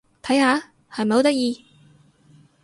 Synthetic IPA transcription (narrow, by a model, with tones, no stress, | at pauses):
t̪ʰɐ˨˥jhaː˨˧˥ | hɐ˨jm̩˨˩ho˨˥t̪ɐ˥k̚jiː˧